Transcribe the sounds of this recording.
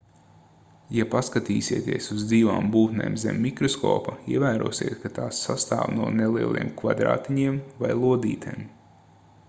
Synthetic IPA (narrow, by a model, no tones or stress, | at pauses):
japaskat̪iːsʲiɛːt̪iɛsuzd̪ziːva̰ːmbuːt̪nḛːmzʲɛ̰mːikɾɔskɔ̰ːpaiɛvæːɾuɔsḭɛːt̪kat̪aːsːast̪a̰ːwnuɔnelˠiɛlˠʔḭɛmkva̰d̪ɾa̰ːt̪iɲiɛmvajlˠuɔd̪ḭːt̪ajm